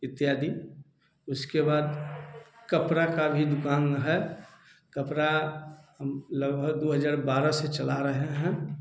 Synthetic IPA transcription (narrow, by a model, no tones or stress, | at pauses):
ɪt̪ːjaːd̪ʱi | ʊskebaːd̪ | kəpɾakabʱid̪ʊkaːnɦɛ | kəpɾaɦəmləɡbʱəɡd̪oːɦəd͡ʒaːɾbaːɾaset͡ʃɐlaɾəɦeɦɛ̃